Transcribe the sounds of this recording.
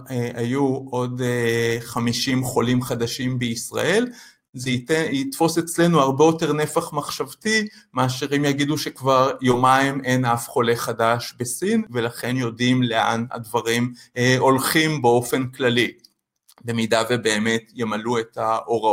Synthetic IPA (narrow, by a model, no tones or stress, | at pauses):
ajuʔo̞deχamiʃimχo̞limχad̪aʃimbeisʁa̰ʔe̞l | zeit̪fo̞se̞t͡sle̞nuaʁbejo̞te̞ʁne̞faχmaχʃavti | maːʃiʁimjaɡiduʃe̞kvaʁjo̞maimejnafχo̞leχadaʃbe̞sinvelaχe̞njo̞dimle̞a̰na̰dvaʁimo̞lχimbeo̞fe̞nklali | be̞midave̞be̞ːmetjemalue̞taʔo̞ʁa